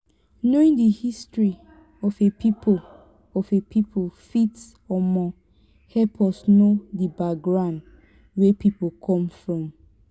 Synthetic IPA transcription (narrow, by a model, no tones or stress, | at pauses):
noĩŋdəhistɹi | ɔfepʰipʰo | ɔfepʰipʰofits | ɔmɔ | hɛpʰɔsnodəbaɡɹãnd | wɛpipokʰɔ̃mfɹɔ̃m